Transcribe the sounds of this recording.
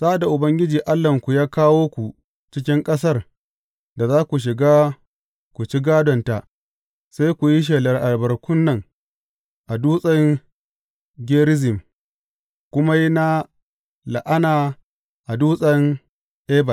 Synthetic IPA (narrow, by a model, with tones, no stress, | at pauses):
sa˦da˨ʔʊ˨bɐ˦ŋɡʲɪ˦d͡ʒiː˨ʔa˦lːɐ˨ŋkʷu˨jaː˦kaː˦woː˦kʷu˨ | t͡ʃɪ˦k̬ʲɪ˦ŋkʼɐ˦s̬ɐ˦r | da˨zaː˦kʷu˨ʃ̬ɪ˨ɡaː˦ | kʷu˨t͡ʃi˦ɡaː˦dɔ˨nta˨ | sa˦jkʷu˨ji˦ʃ̬eː˨lɐ˨rʔa˨lbɐ˨ɾkʷʊ˦nːɐ˨ŋ | ʔa˨duː˦sʼɐ˦ŋ | ɡʲeː˦ɾɪ˦zɪ˨m | kʷʊ˦ma˦ji˦na˦ | la̰˨ʔa˦naː˨ | ʔa˨duː˦sʼɐ˦ŋ | ʔeː˦ba˨